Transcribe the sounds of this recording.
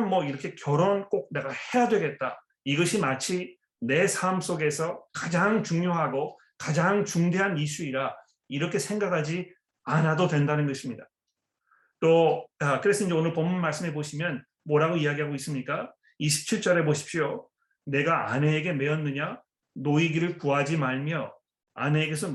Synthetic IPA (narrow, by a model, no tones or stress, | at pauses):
nmwʌiɾʌkʰe̞kjʌɾonk͈ok̚ne̞ɡahe̞jadwe̞ɡe̞t̚t͈a | iɡʌɕʰimat͡ɕʰi | ne̞sʰams͈oɡe̞sʰʌkad͡ʑaŋt͡ɕuŋɲjoɦaɡo | kad͡ʑaŋt͡ɕuŋde̞ɦanis͈ʰuiɾa | iɾʌkʰe̞sʰe̞ŋɡakʰad͡ʑi | anadodwe̞ndanɯnɡʌɕʰimɲida | t͈ot͡ɕakɯɾe̞sʰʌind͡ʑeonɯɭpʌmːunmaɭs͈ɯme̞boɕʰimjʌn | moɾɦaɡoiaɡiɦaɡois͈ɯmɲik͈a | iɕʰi̥p̚t͡ɕʰiɭt͡ɕ͈ʌɾe̞boɕʰi̥p̚ɕ͈io | ne̞ɡaa̰ne̞ːɡe̞me̞ʌnːɯɲa | noiɡiɾɯɭpuad͡ʑimaɭmjʌ | a̰ne̞eɡe̞s̬ʰʌ